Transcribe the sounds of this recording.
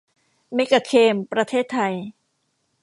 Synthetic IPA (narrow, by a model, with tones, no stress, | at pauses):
me˦˥ka˧˩kʰeː˧mpɾa˧t̪ʰeː˥˩t̪ʰːa˧j